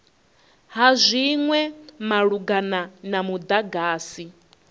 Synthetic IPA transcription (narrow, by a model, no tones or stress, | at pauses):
ɦazʷiŋwɛmaɺuɡananamud̪aɡaːsi